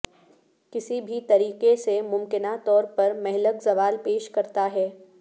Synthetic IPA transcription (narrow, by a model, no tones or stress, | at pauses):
kɪsibʱit̪ɐɾiːqesemʊmkɪnat̪ɔːɾpɐɾmɛɦɪləkzɐʋaːlpeːʃkɐɾt̪aɦɛː